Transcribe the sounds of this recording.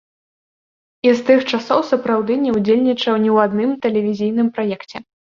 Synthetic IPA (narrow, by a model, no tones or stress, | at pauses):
ist̪ɨxt͡ʂasɔwsɐpɾawd̪ɨnʲɛwd͡zʲelʲnʲit͡ʂɐwnʲɛwad̪nɨmt̪ɛlʲɛvʲizʲijnɨmpɾajɛkt͡sʲɛ